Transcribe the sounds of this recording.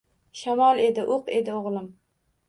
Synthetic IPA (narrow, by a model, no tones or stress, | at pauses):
ʃamɒlˠe̞d̪ɪʔoqe̞d̪ɪoʁlˠɪm